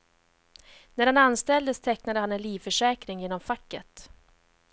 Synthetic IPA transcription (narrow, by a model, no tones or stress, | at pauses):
næɾhananst̪ɛld̪əst̪ʰɛknad̪əhanɛnliːvfœʂɛːkɾɪŋjeːnɔmfakːət̪